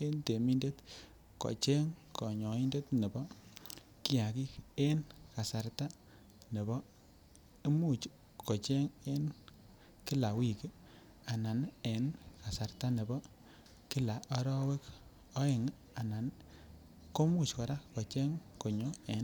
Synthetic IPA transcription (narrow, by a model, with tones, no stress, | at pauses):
e˦nte˨mi˦nde˦t | kɔ̰˨t͡ʃe˦ŋkɔ˨ɲɔ˨i˦nde˦tne˨bɔ˦ | ki˦ja˨ki˦ke˦nka˨sa˨ɾta˦ | ne˨bɔ˦ | i˦mu˦t͡ʃ | kɔ˨t͡ʃe˦ŋe˦n | ki˦la˨wi˦˨ki˦ | a˨na˨ne˨nka˨sa˨ɾta˦ne˨bɔ˦ | ki˦la˨ʔɔ˦ɾɔ˦we˦k | ɔ˦e˨ŋ | a˨na˨n | ko˦mu˦˨t͡ʃkɔ˨ɾa˦kɔ˨t͡ʃɛ˦ŋko˨ɲɔ˦e˨n